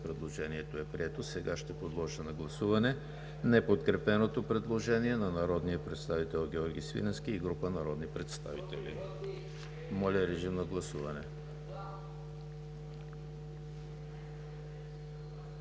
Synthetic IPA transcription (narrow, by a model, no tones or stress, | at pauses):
pɾɛd̪lˠoʒɛniɛt̪oɛpɾiɛt̪osɛɡaʃt̪ɛpod̪lˠɔʒənɐɡlˠɐsuvɐnɛ | nɛpot̪kɾɛpɛnot̪opɾɛd̪lˠoʒɛniɛnɐnɐɾɔd̪nijəpɾɛt̪st̪avit̪ɛlˠɡʲiɔɾɡʲisvḭnɛsk̟iːɡɾupənɐɾɔd̪nipɾɛt̪st̪a̰vit̪ɛlḭ | mɔlʲɐɾɛʒimnɐɡlˠɐsuvɐnɛ